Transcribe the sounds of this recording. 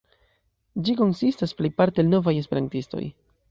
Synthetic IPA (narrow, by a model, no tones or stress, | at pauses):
d͡ʒiko̞nsistasplejpaɾtelno̞vaje̞spe̞ɾantisto̞̰j